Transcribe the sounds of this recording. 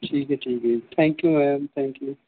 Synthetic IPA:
ʈʰiːkɦɛʈʰiːkɦɛt̪ʰɛ̃ːŋkjumɛjəmt̪ʰɛ̃ːŋkju

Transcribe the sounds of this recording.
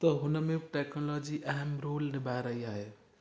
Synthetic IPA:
t̪ɔɦʊnəmeʈeknɔlɔd͡ʒiʔɛɦɛmɾoːlnebaɾəɦiaɦe

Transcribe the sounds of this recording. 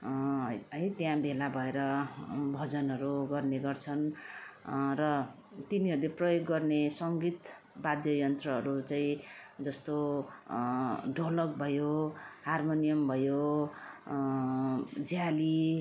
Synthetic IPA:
ʌjt̪jãbʱelabʱʌeɾʌbʱʌd͡zʌnɦʌɾuɡʌrneɡʌrt͡sʰʌn | rʌ | t̪iniɦʌɾuleprʌjoɡːʌrnesʌŋɡit̪ | bad̪jʌjʌnt̪rʌɦʌɾut͡saĩd͡zʌst̪o | ɖʱolʌkbʱʌjoharmonijʌmbʱʌjo | d͡zjali

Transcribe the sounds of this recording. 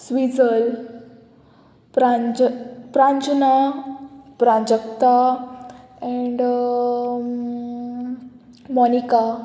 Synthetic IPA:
sʋid͡zəl | pɾa | pɾãɲd͡ʑna | pɾãd͡ʑəkt̪a | ɛɳɖ | mɔnika

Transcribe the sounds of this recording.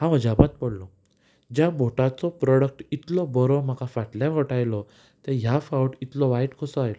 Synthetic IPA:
hãʋəd͡ʑabat̪̚pəɽlɔ | d͡ʑjabʱoʈat͡sɔpɾɔɽək̚ʈit̪lɔbɔɾɔm̤akafaʈljafɔʈajlɔ | t̪ɛɦjafauʈit̪lɔʋaiʈkʰɔsɔajlɔ

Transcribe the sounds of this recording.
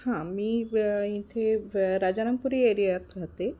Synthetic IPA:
hãmiːĩt̪ʰeɾad͡ʑanəŋpuɾieɾijat̪kəɦt̪e

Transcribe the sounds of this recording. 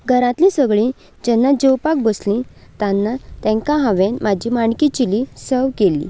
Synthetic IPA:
ɡʱəɾãt̪lĩsəɡɭĩ | d͡ʑɛnːad͡ʑəwpak̚bəslĩt̪anːat̪ɛ̃ŋkãɦãʋenmad͡ʑimaɳkit͡ɕilisəʋkelːḭ

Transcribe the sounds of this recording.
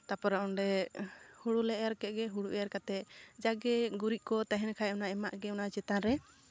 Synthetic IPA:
t̪apɔɾaɔnɖɛhuɽulɛʔjaɾkɛʔ̪̚ˀɡɛɦuɽuʔɛjaɾkat̪ɛd͡ʒaɡɛɡuɾiʔ̚kɔt̪aɦɛnkʰajɔnaɛmaʔɡɛunat͡ʃɛt̪aɾɛ

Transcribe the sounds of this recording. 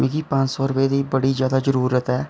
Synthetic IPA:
mĩːkiːpə̃ɲt͡ʃsɔːɾʊpeːd̪iːbəɽiːzjaːd̪aːzəɾuːɾət̪ɦɛː

